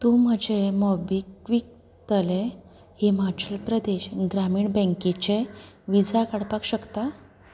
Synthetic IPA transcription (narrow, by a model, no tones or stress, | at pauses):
t̪um̤əd͡ʑʱemɔbikʋik̚ | t̪əle | hemat͡ɕəlpɾəd̪eɕɡɾamiːɳbə̃ŋket͡ɕe | ʋid͡zʱakaɽpakɕəkt̪a